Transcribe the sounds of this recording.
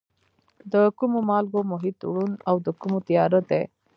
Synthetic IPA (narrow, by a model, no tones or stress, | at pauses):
d̪əkumomɑlɡomʊɦɪt̪ṵɽunawd̪əkumot̪ijɑɾod̪e